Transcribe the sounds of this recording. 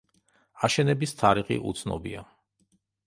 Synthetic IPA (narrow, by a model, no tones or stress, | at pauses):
aʃɛnɛbist̪ʰaɾiχḭʔṵt̪sʰnɔ̰bia